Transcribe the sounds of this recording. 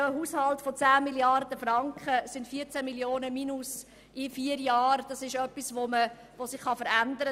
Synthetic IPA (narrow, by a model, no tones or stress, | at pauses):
əɦuːshɑltfɔt͡sæːmiljɑrd̥əfrɑŋkχəsɪntfiːəɾt͡sæmiljoːnəminus | ɪfiəɾjɑːɾd̥ɑsɪʃœpːisʋomə | ʋosɪχːɑfəɾændəɾə